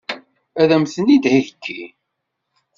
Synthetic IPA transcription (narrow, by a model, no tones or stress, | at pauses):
æðæmθənid̪hiðəkʰːḭ